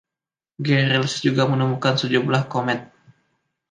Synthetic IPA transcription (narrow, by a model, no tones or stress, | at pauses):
ɡɛɾilsd͡ʒuɡamənəmukansəd͡ʒumlahkomɛt̪̚